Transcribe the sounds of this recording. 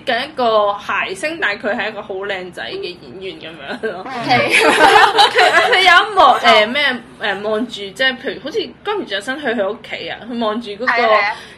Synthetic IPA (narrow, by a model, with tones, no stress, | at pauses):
kɐ˨˥njɐ˥t̚kɔː˧haː˨˩jsɪ˥ŋt̪aː˨˩jkʰɵ˨˧ɥhɐ˨˩jɐ˥kɔː˧ho˨˥wlɛː˧ŋt͡sɐ̰˨˥jkɛː˧jiː˨˥njyː˨˩nkɐ˨˦mjœː˨˥ŋlɔː˥k | kʰkʰɵ˨˧jɐ˨˧˥mɔː˨˩ʔɛː˨mɛː˥ | ʔɛː˨mɔː˨ŋt͡ʃyː˨t͡sɛː˥˩pʰe˧jyː˨˩ho˨˥wt͡sʰiː˧kɔː˥my˨˩˨sɐ˥nɦɵ˧ɦɵ˧o˥kʰːḛ˨˥jɐ̰ː˧hɵ˧ɥmɔː˨ŋt͡ʃyː˨kɔː˨˥kɔː˧